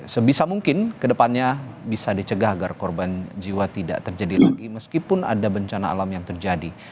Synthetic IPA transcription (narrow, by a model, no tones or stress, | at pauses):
səbisamuŋkɪnkədəpanɲabisadit͡ʃəɡaɦaɡarkɔrband͡ʒiwat̪ida̰ʔt̪ərd͡ʒadila̰ɡiməskipʊna̰dabəɲt͡ʃana̰ːlamjaŋt̪ərd͡ʒadi